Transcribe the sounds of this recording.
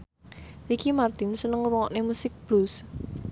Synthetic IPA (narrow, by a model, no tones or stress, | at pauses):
ʔikimart̪ɪnsənəŋwɔŋɔʔnemusɪk̚b̥lus